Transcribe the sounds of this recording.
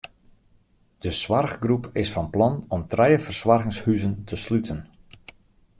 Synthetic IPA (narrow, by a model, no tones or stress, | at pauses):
d̥əsʋarɣɡrupɪsfɑnplɑnɔmtrɛjəfərswɑrɣɪŋshyzəntʰəslytʰən